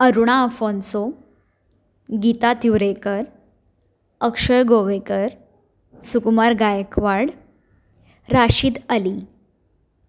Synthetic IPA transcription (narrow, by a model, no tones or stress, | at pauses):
əɾuɽ̃aəfɔnso | ɡit̪at̪iwɾekəɾ | əkʂəɭɡoʋekəɾ | sukmaɾɡajkʋaɽ | ɾaɕiːd̪əli